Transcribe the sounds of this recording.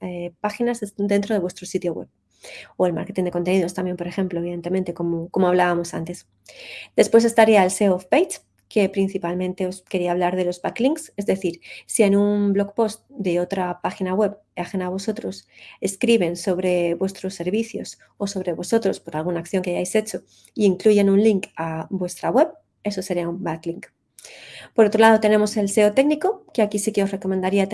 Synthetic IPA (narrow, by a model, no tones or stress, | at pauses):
epaxinazd̪ent̪ɾo̞ð̞e̞βwe̞st̪ɾo̞sit̪jo̞ɣwḛβ | oe̞lma̰ɾke̞t̪ind̪eko̞nt̪e̞niðo̞st̪ambje̞mpo̞ɾe̞xe̞mplo̞eβiðe̞nt̪ement̪e̞ko̞moko̞mo̞aβ̞laβamo̞sa̰nt̪e̞s | d̪e̞spwes̬e̞st̪aɾiaelse̞ofpejt̪ | ke̞pɾin̟θipalmẽ̞nt̪e̞o̞ske̞ɾiaːβ̞laɾðe̞lo̞zbakliŋkse̞zðe̞θiɾsie̞numblo̞kpo̞st̪̚d̪e̞o̞t̪ɾapaxinaɣwe̞βaxenaβ̞o̞so̞t̪ɾo̞se̞skɾiβe̞nso̞βɾe̞βwe̞st̪ɾo̞sːe̞ɾβiθjo̞s | o̞so̞β̞ɾeβo̞so̞t̪ɾo̞spo̞ɾalɣ̞unaːkθjo̞ŋkeaʝajse̞t͡ʃo̞ | iːŋkluʝenunliŋkabwe̞st̪ɾawe̞β | e̞so̞se̞ɾiaumbakliŋk | po̞ɾo̞t̪ɾo̞lað̞o̞t̪e̞nẽ̞mo̞se̞lse̞ot̪ekniko̞keakisike̞o̞sre̞ko̞mend̪aɾia